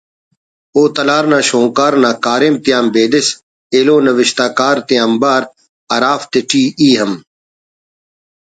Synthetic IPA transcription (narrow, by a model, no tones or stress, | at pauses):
oːt̪ɐlaːɾnãːʃõːkaːɾnãːkaːɾemt̪ijaːmbeːd̪ɪs | eːloːnɐʋɪʃt̪aːkaːɾt̪iaːmbaːɾ | ɐɾaːft̪eʈiːiːɦɐm